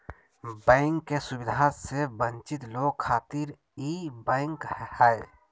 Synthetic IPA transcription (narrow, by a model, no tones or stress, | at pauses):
bɛ̃ːɪŋkːesʊbɪd̪ʱasebə̃nt͡ʃɪt̪loːɡ̚kʰaːt̪iɾ | iːbɛ̃ːŋkhɛ